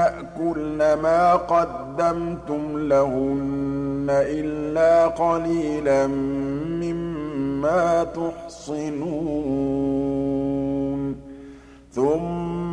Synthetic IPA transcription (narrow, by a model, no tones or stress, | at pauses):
aʔkʊlnamaːqɑd̪ːamt̪ʊmlaɦʊnːaʔɪlːaːqɑliːlanːɪmːaːt̪ʊħsˤɪnuː | n | θʊmː